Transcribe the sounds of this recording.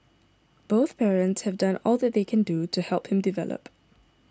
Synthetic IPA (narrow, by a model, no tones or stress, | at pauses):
b̥oʊθpʰɛɹə̃ntshɛvdãnɔlˠðɛt̚ðeɪkʰɛ̃ndutuhɛlˠphɪ̃mdivɛ̰lə̰p